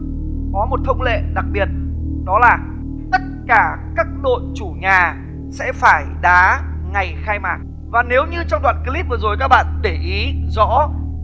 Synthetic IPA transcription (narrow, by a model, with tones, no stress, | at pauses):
kɔ˨˦mo˨˩t̚t̪ʰə˧wŋ͡mlḛ˧˨ɗa˨˩k̚ɓi˨˩ət̚ɗɔ˨˦laː˨˩ | t̪ə˦˥t̚kaː˧˩kaː˦˥k̚ɗo̰˧˨nt͡ɕu˧˩ɲaː˨˩ | sɛ̰˧˥faː˧˩jɗaː˨˦ | ŋa˨˩jxaː˧jmaː˨˩k̚ | vaː˨˩ne˨˦wɲɨ˧t͡ɕɔ˧wŋ͡mɗwa̰ː˧˨nki˧li˦˥p̚və˨˩zo˨˩jkaː˦˥k̚ɓa̰ː˧˨nɗe˧˩ʔi˨˦zɔ̰˧˥